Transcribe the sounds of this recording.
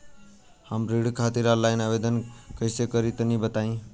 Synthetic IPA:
həmɾiɽ̤kʰat̪iɾalajnabed̪ənkəɪsekəɾit̪ənibət̪aĩ

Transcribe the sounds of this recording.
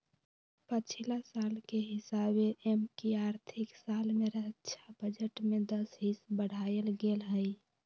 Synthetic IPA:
pət͡ʃʰilasalkeɦisabeʔemkiaɾt̪ʰiksalmeɾəɦətːʃʰabəd͡ʒəʈmed̪əsɦisbəɽ̤ajəlɡelɦəj

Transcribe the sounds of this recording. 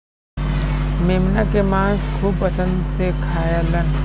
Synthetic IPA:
meːmnakemãːskʰuːbpəsə̃nd̪sekʰaːjalən

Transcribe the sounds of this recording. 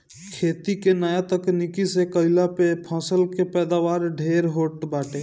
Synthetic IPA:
kʰeːt̪ikenaːjat̪əknikisekəɪlapepʰɔ̃ːsəlkepɛːd̪aːʋaːɾɖʱeːɾɦoːʈbaːʈe

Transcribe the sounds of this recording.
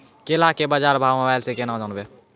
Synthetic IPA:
kelakebəd͡ʒaɾbʱawmebajlsẽkenãd͡ʒanbe

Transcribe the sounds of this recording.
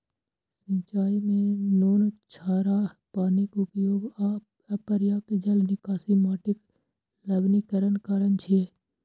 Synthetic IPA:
sĩːt͡ʃaːimẽnoːnt͡ʃʰaːɾaːpaːnikʊpjoːɡaːp | ɐpəɾɪjaːked͡ʒəlnɪkaːsimaːʈɪk | ləbnikəɾənkaɾənt͡ʃʰie

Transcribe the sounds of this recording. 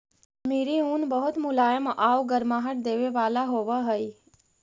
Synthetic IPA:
meːɾiuːnbəɦʊt̪mʊlaːjəmʔaːwɡəɾmãːɦəʈ̚d̪eːʋeʋaːlaɦoːʋəɦəi

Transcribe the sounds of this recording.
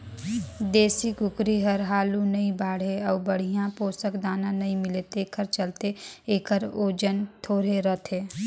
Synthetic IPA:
d̪eːsikʊkɾiɦɐɾɦaːlunɐĩbaːɽ̤ɦeɔːbəɽ̤ijãpoːsəkd̪aːnãnɐɦĩmɪlet̪ekʰəɾt͡ʃəlt̪eeːkʰəɾoːd͡ʒənt̪ʰoːɾeɾət̪ʰɦeː

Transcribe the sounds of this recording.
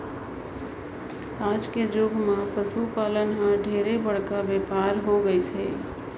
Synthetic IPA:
ad͡ʒked͡ʒoɡʱmãpəsupalənɦãɖʱeɾebəɽ̤kabepaɾɦoɡəjt͡ʃʰɛ

